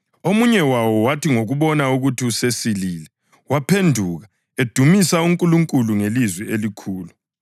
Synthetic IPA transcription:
omuɲɛwawɔwatʰiŋoɣuβɔnauɣutʰiusesiliːlɛ | wapʰendʱuːɣa | ed̥ʱumisauŋkʼuluŋkʼuluŋelizwɛelikʰuːlu

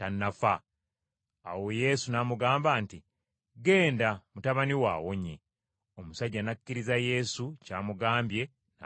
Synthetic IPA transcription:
tanːafa | awo̞je̞ːsunaːmuɡaːmbaːnti | ɡe̞ːndamutaβaniwa̰ːwo̞ɲḛ | o̞musaɟːanakːiɾizaje̞sucaːmuɡaːmbje̞ | na

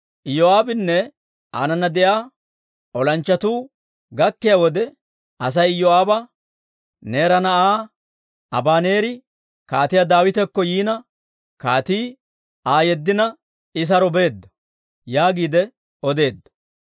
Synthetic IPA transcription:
ʔɪjoaːbɪnːɛ | ʔa̰ːnɐnɐd̪ɛjaː | ʔɔlɐnt͡ʃːɐt̪uː | ɡɐkːɪjawɔd̪ɛ | ʔɐs̬ɐjjɔaːbɐ | neːɾɐnɐʔaː | ɐbaːne̞ːɾɪ | kaːt̪ɪjad̪aːwɪt̪ɛkːɔjiːnɐ | kaːt̪iː | aːjɛd̪ːɪnɐ | ɪs̬ɐɾɔbe̞ːd̪ːɔ̥ | jaːɡiːd̪ɛ | ɔd̪e̞ːd̪ːɐ̥

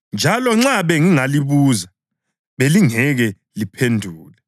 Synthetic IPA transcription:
nd͡ʒʱalɔŋ͡ǁaβɛŋiŋaliβuːza | βeliŋɛɣɛ | lipʰendʱuːlɛ

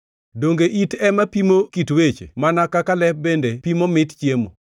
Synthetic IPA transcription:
doŋɡeʔitɛmapimokitwet͡ʃḛmanakakalɛp̚bendepimomɪtt͡ʃjemo̰

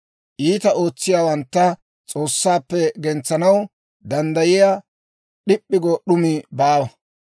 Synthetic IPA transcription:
ʔiːt̪ɐʔo̞ːt͡sːɪjaːwɐnt̪ːɐ | t͡sʼo̞ːsːaːpːɛɡɛnt͡sːɐnɐw | d̪ɐnd̪ɐjɪjaː | ɗɪpʼːɪɡoɗʊmɪbaːwɐ

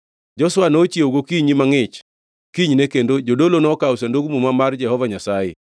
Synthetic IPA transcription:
d͡ʒɔswanoːt͡ʃieoɡokiɲimaŋɪt͡ʃ | kiɲnekendod͡ʒodolonɔkawsandoɡmumamard͡ʒɛhɔvaɲasajɪ̰

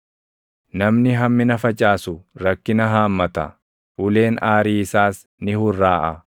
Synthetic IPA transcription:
nɐmnɪɦɐmːɪnɐfɐt͡ʃʼaːsʊɾɐkːɪnɐɦaːmːɐt̪ɐ̰ | ʔʊle̞ːnaːɾiːɪsaːs | nɪhʊrːaːʔɐ

